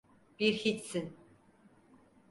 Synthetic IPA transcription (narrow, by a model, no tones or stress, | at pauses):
b̥iɾxit̪sin